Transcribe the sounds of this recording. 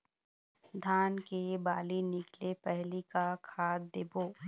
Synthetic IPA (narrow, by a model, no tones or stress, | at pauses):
d̪ʱaːnkebaːlinɪklepɛɦlikakʰaːd̪̚d̪ɪboː